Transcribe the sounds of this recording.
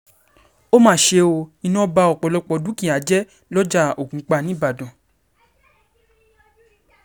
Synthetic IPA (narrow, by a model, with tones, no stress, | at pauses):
o˦mãː˦˨ʃe˧o˧i˧nɔ̃˦ba˧ɔ˨k͡pɔ˨˧lɔ˧k͡pɔ˧dũ˨˦kĩ˦˨a˨˦d͡ʒɛ˦ | lɔ˦d͡ʒa˦˨o˨kũ˨˦k͡pa˧nĩ˨˦ba˦˨dɔ̃˨